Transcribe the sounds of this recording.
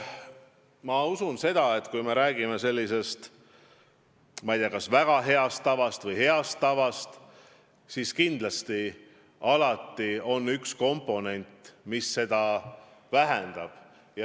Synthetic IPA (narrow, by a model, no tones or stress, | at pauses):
mɑusunse̞d̪ɑe̞t̪kujme̞ɾæːɡ̥ime̞se̞lʲːise̞st̪ | mɑjt̪ijɑkɑsvæɡ̥ɑɦe̞ɑst̪ːɑvɑst̪vɤjhe̞ɑst̪ːɑvɑst̪ | siskind̪̥lɑst̪i | ɑlɑt̪ˑːio̞nːyksko̞mpːˑo̞ne̞nʲt̪ˑmisːe̞d̪ɑvæɦend̪̥ɑb̥ | j